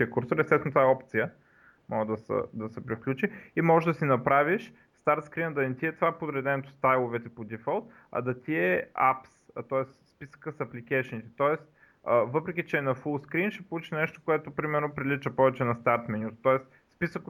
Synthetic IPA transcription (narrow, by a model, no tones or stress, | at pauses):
iəkuɾsoɾɛst̪ɛsnot̪vaɛɔpt̪sijə | mʔɔd̪ɐsə̰d̪ɐsɛpɾifklʲut͡ʃiimɔʒɛʒd̪ɐsinɐpɾaviʃ | st̪aɾt̪skɾinəd̪ɐnt̪iɛt̪vaɛpod̪ɾɛd̪ɛnɛt̪o̥st̪ajlˠovɛt̪ɛpod̪ifɛlˠt̪ | ɐ̰d̪ɐt̪iɛa̰pst̪ɔɛsspisə̥kəsɐplikɛʃɛnit̪ɛ̥t̪ɔɛst̪ | əvɤpɾɛk̬ʲit͡ʃɛnɐfulˠskɾinʃɛpolˠut͡ʃiʃnɛʃt̪o̥koɛt̪opɾimɛɾnopɾilit͡ʃəpɔvɛt͡ʃɛnɐst̪aɾt̪mɛnʲut̪t̪ɔɛs | spisək